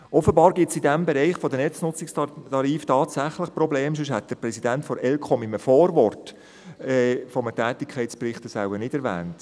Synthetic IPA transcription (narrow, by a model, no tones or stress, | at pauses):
ʔɔfəbɑːɾɡɪtsidæmbɛɾɛɪχfɔd̥̪ənɛt͡snʊt͡sɪkstɑɾiːftɑːtsæχləχprɔbleːmʃ̬ʏʃhɛt̚d̥əɾprɾɛsidæntfɔɾɛlkʰɔmɪməfɔːɾvɔrt | ɛːfɔmətɛːtɪkʰχɛɪtsprɪχtəsaʊənɪd̥ɛɾvɛ̰ːnt